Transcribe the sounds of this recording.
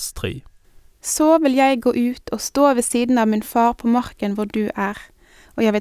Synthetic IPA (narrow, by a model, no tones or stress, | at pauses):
st̪ʁḭː | soːʋɪljæɪɡoːʔʉːt̪ʰoːst̪oːʋɛsiːd̪n̩ɑːʋmɪnfɑːʁpʰoːmɑʁkənʋʊɖ̪ʉːʔæːʁ | oːjæɪʋɪ